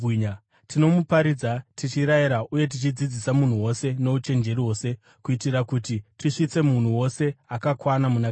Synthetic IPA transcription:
ɲ | tino̞mupaɾid͡zatit͡ʃiɾaiɾaʔuje̞t̬it͡ʃid͡zid͡zisamun̤uwo̞se̞no̞ut͡ʃe̞nd͡ʒe̞ɾiwo̞ːse̞ | kuitiɾakutitiʂit͡se̞mun̤uwo̞se̞akakwanamuna

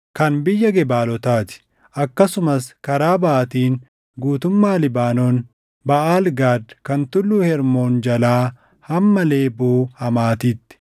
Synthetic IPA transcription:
kɐnbɪjːɐɡɛbaːlɔt̪aːt̪ɪ̥ | ʔɐkːɐsʊmɐskɐɾaːbaʔɐt̪iːn | ɡuːt̪ʊmːaːlɪbaːnɔːn | bɐʔaːlɡaːd̪kɐnt̪ʊlːuːhɛɾmoːnd͡ʒɐlaː | hɐmːɐle̞ːboːhɐmaːt̪iːt̪ːɪ̥

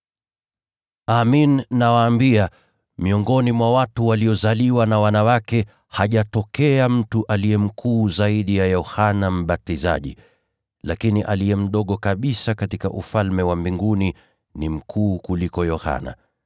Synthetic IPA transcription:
aminːawaːmbia | miɔŋɡɔnimwawatuwaliɔzaliwanawanawakɛ | haʄatɔkɛam̩tuʔaliɛm̩kʰuːzaiɗijajɔhanam̩ɓatiza̰ʄḭ | lakiniʔa̰lijɛm̩ɗɔɠɔkaɓisakatikaʔṵfalmɛwambiŋɡuni | nim̩kʰuːkulikɔjɔha̰na̰

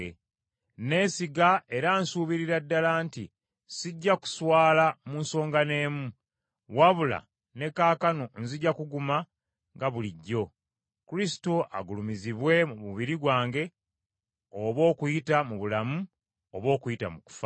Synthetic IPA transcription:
ne̞ːsiɡae̞ɾaːnsuːβiɾiɾadːalaːnti | siɟːaku̥swaːlamuːnso̞ːŋɡane̞ːmu | waβula̰ | ne̞kaːkanon̩ziɟːakuɡuma | ŋɡaβuliɟːo̞ | kuɾisi̥toʔa̰ɡulumiziβwe̞muβuβiɾiɡwaːŋɡe̞ | oβo̞ːkujitamuβulamu | oβo̞ːkujita̰muku̥fa

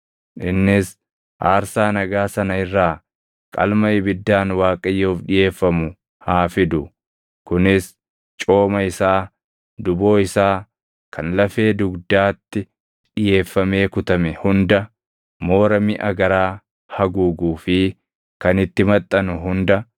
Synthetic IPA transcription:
ʔɪnːɪs | ʔaːɾsaːnɐɡaːsɐnɐɪrːaː | kʼɐ̰lmɐɪbɪd̪ːaːnwaːkʼɐjːoːfᶑɪje̞ːfːɐmʊ | haːfɪd̪ʊ | kʊnɪs | t͡ʃʼo̞ːmɐɪsaː | d̪ʊbo̞ːɪsaː | kʰɐnlɐfe̞ːd̪ʊɡd̪aːt̪ːɪ | ᶑɪje̞ːfːɐme̞ːkʊt̪ɐmɛhʊnd̪ɐ | mo̞ːɾɐmɪʔɐɡɐɾaː | hɐɡuːɡuːfɪ | kɐnɪt̪ːɪmɐt̪ʼːɐnʊɦʊnd̪ɐ

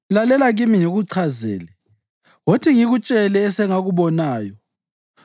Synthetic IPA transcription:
lalɛlaɣimiɲoɣuǀʰazɛ̰ːlɛ | wotʰiŋiɣut͡ʃʼɛlɛːsɛŋaɣuβɔnaːjɔ

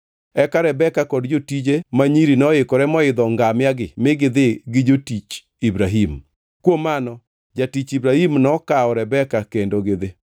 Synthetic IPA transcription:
ɛkaɾɛbɛkakɔdd͡ʒotid͡ʒemaɲiɾinɔɪkɔɾɛmɔɪd̪ɔŋɡamɪaɡɪmɪɡɪd̪ɪɡɪd͡ʒotit͡ʃ | ibɾaɦim | kwomanɔ | d͡ʒatit͡ʃibɾahimnɔkaɔɾɛbɛkakendoɡɪðɪ

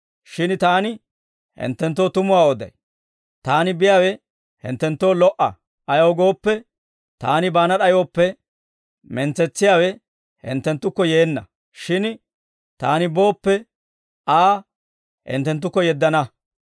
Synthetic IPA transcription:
ʃɪnt̪aːnɪ | hɪ̰nt̪ːɛnt̪ːo̞ːt̪ʊmʊwaːɔd̪ɐ̰j | t̪aːnɪbɪjaːwɛ | hɪ̰nt̪ːɛnt̪ːo̞ːlɔʔɐ̰ | ʔɐjowɡo̞ːpːɛ | t̪a̰ːnɪbaːnɐɗɐjoːpːɛ | mɛnt͡sːɛt͡sːɪjaːwɛ | hɪ̰nt̪ːɛnt̪ːʊkːɔjeːnːɐ | ʃɪn | t̪aːnɪbo̞ːpːɛ | aː | hɪ̰nt̪ːɛnt̪̬ːʊkːɔjɛd̪ːɐnɐ

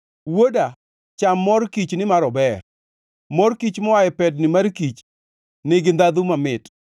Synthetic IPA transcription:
woda | t͡ʃamːɔɾkit͡ʃnɪmaɾɔbɛr | mɔrkit͡ʃmɔwajɛpɛdnɪmaɾkit͡ʃ | nɪɡɪnd̪ad̪umamɪt

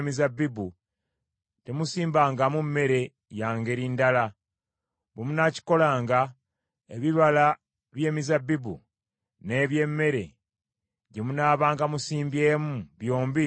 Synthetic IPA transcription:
mizabibu | te̞musiːmbaːŋɡamumːe̞ɾe̞ | jaːŋɡe̞ɾindala | βemunaci̥ko̞laːŋɡa | e̞̰βiβala | βje̞ːmizabːibṵ | ne̞βje̞mːe̞ɾe̞̰ | ɟemunaːβaːŋɡamusiːmbje̞ːmuβjo̞ːmbi

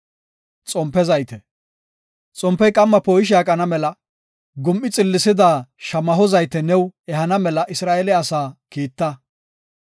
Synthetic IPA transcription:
t͡sʼɔmpːɛzɐjt̪ɛ | t͡sʼɔmpːɛjkʼɐmːɐpoːjɪʃ̬aːkʼɐnɐmɛlɐ | ɡʊmʔːɪt͡sʼɪlːɪsɪd̪aːʃɐmɐɦɔzɐjt̪ɛnɛwɛɦɐnɐmɛlɐʔɪsɾaːelɛɐsaːkiːt̪ːɐ

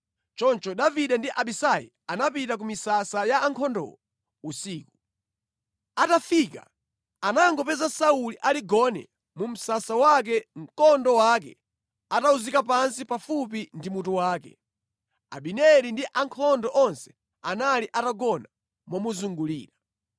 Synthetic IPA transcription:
t͡ʃɔnt͡ʃɔɗaviɗɛndiʔaɓisajḭ | anapitak̬umisasajaːŋkʰɔndɔ̰wɔ | usiːku̥ | atafika̰ | anaŋɡɔpɛzasauliʔaliɡɔnɛ̰ | mum̩sasawak̬ɛŋ̩kɔndɔwak̬ɛ̰ | atauzikap̬ansipafupindimutuwaːkɛ̰ | a̰ɓinɛlindiʔaŋkʰɔndɔʔɔnsɛ̥ | analiʔataɡɔna | mɔmuzuŋɡulḭːɾa

